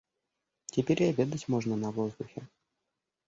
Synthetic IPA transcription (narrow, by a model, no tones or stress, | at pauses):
tʲɪpʲeɾʲɐbʲed̪ətʲmoʐnənɐvozd̪ʊxʲɪ